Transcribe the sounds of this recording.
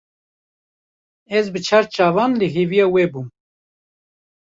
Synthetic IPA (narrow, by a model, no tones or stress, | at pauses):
ɛzbɨt͡ʃʰaɾt͡ʃɑːvɑːnləɦeːvijɑːwɛbum